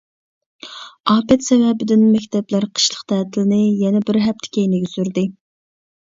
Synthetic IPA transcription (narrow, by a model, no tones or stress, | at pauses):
ɑːpɛt̪sɛvɛbɪd̪ɪnmɛkʲt̪ʰɛblæɾqʰə̥ʃlˠə̥qt̪ʰæːt̪ʰɪlɪnɪjɛnɛbɪɾɦɛp̚t̪ʰɪ̥kʲejnɪɡʲɛsyɾd̪ɨ